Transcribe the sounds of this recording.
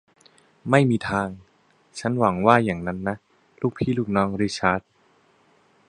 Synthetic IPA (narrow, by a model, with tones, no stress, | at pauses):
ma˥˩jmiː˧t̪ʰaː˧ŋ | t͡ɕʰa˦˥nwa˩˦ŋwaː˥˩jaː˨˩ŋna˦˥nːa˦˥ | luː˥˩k̚pʰiː˦˥˩luː˥˩k̚nɔː˧˥ŋɾi˦˥t͡ɕʰaː˦˥t̪̚